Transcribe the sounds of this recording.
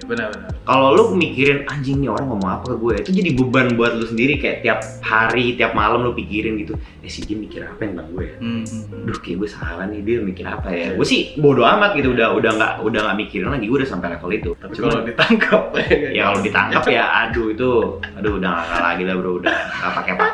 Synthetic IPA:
bən | kalolukəmikiɾɪnaɲd͡ʒɪŋnioɾaŋːomɔŋapakaɡuait̪ud͡ʒadibəbanbuat̪̚lusəndiɾikaja̰ʔt̪iap̚haɾit̪iap̚maləmlʊpikiɾɪnɡit̪u | asid͡ʒamikiɾa̰paɛnaŋɡuɛjadʊhkajaʔɡuasaa̰lanidiɛmikɪɾa̰pajaɡuɛsɪhbodoamat̪̚ɡit̪uːdaɦudahŋɡa̰ʔudaŋɡaʔmikiɾɪnlaɡiɡudasampajlekalit̪u | t͡ʃumait̪aŋkʰap̚jakalodit̪a̰ŋkap̚jaa̰duit̪uaduːdaŋa̰ka̰la̰ɡilabəɾoudaŋɡaʔpakeapa

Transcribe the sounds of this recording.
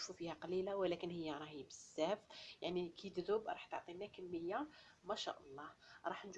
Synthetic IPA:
ʃfufihæqɑlilawəlækənhəjːaɾˤɑhiːbəsːæfjaʕnikʰid̪d̪ʊbɾˤɑ̰ħt̪o̰ʕt̪ˤinækəmːəjːa | mæʃæ̰ʔɑlˤːɑhɾˤɑħnʒ

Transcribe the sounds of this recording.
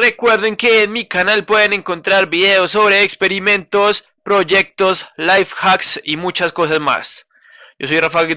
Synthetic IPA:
re̞kwe̞ɾðe̞ŋke̞ːnmikanalpwe̞ðene̞ŋko̞nt̪ɾaɾbiðe̞oso̞βɾe̞ːkspe̞ɾimẽ̞nt̪o̞s | pɾo̞ʝe̞k̚t̪o̞slajfxaksimut͡ʃasko̞sazma̰s | d͡ʒo̞so̞jrafa

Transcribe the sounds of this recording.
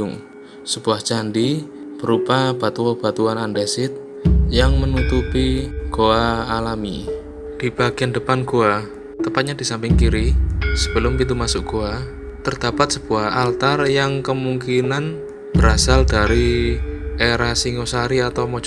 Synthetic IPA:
ŋ | səb̥uahd͡ʒandib̥əɾupab̥at̪uab̥at̪uanandesɪt̪̚ | jaŋmənut̪upiɡ̥oaːlami | d̥ib̥aɡiandəpanɡ̥oa | t̪əpat̪̚ɲadisampɪŋkiɾisəb̥əlʊmpint̪umasʊkɡ̥oa | t̪ərd̪̥apat̪̚səb̥uahalt̪arjaŋkəmuŋkinan | b̥əɾasaldaɾi | ʔeɾasiŋosaɾiat̪awmod͡ʒ

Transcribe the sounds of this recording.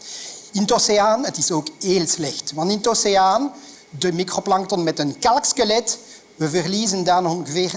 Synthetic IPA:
ɪntoseaːnətɪsoːkheːlˠslɛxtʋɑntɪntoseaːn | dəmikroplɑŋktɔnmɛtənkɑlˠkskəlɛt | ʋəvərliːzəndaːnɔnɣəveːr

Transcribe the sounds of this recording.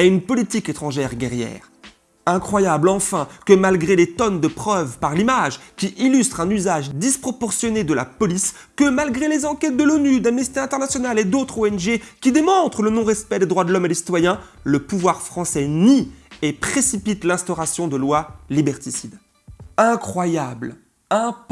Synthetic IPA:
ɛynpɔlit̪iket̪χɑ̃ʒɛʁɡʲɛʁjɛ̰ːʁ | ɛ̃kχwajablɑ̃fɛ̃kəmalɡʁelet̪ɔnd̪əpχœvpaʁlimaʒkʲiʔilyst̪χɛ̃nyzaʒd̪ispχɔpɔʁsjɔned̪əla̰pɔlis | kəmalɡʁelezɑ̃kʲɛt̪̚d̪əlonyd̪amnisit̪eɛ̃t̪ɛʁnasjɔnaled̪ot̪χoɛnʒekʲid̪emɔ̃t̪χələnɔ̃ʁɛspɛd̪ed̪ʁwad̪əlɔmed̪esi̥t̪wajɛ̃ | ləpuvwaʁfχɑ̃sɛniepχesipit̪lɛ̃st̪ɔʁasjɔ̃d̪əlwalibɛʁt̪isid̪ | ɛ̃kχwajabl | ɛ̃p

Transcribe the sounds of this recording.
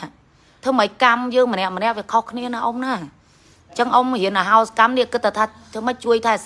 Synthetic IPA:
t̪ʰɨːəməc̚kamjəːŋmənɛ̆əʔmənɛ̆əʔʋiəkʰohkʰniənaːʔomnaː | t͡ɕəŋʔomhiənʔaɦaɔsḁkamniəkɨt̪ʰːat̪ʰaːt̪ʰɨːməc̚t͡ɕuəjt̪ʰa

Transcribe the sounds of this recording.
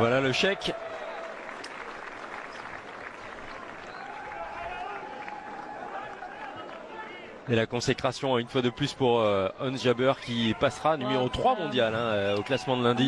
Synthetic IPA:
vwalaləʃɛk | elakɔ̃sekχasjɔ̃ynfwad̪əplyspuʁøɔnʒabœʁkʲipasχanymeʁot̪χwamɔ̃d̪jalɛ̃øoklasmɑ̃d̪əlɛ̃d̪i

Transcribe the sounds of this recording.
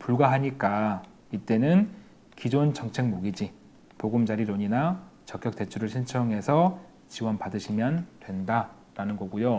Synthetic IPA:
puɭɡwaɦaɲik͈a | it͈e̞nɯn | kid͡ʑont͡ɕʌŋt͡ɕʰe̞ŋmoɡid͡ʑi | poɡumd͡ʑaɾiɾoɲinat͡ɕʌk͈jʌk̚t͈e̞t͡ɕʰuɾɯɭɕʰint͡ɕʰʌŋɦe̞sʰʌ | t͡ɕiwʌnpadɯɕʰimjʌndwe̞nda | ɾanɯnɡʌɡujo

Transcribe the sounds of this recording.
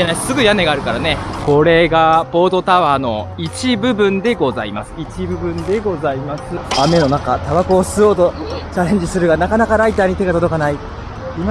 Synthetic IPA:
enḁsɨɡɯ̟jane̞ɡaːɾɯ̟kaɾane̞ko̞ɾe̞ɡapo̞ːt̪o̞t̪aβaːno̞̰it͡ɕibɯ̟bɯ̟̃nd̪e̞ɡo̞za̰imasɨ̥it͡ɕibɯ̟bɯ̟̃nd̪e̞ɡo̞zaimasɨame̞no̞nakat̪aβako̞ːsɨo̞ːt̪o̞t͡ɕaɾẽ̞ɲ̟d͡ʑisɨɾɯ̟ɡanakanakaɾait̪aːɲ̟it̪e̞ɡat̪o̞d̪o̞kanai | ima

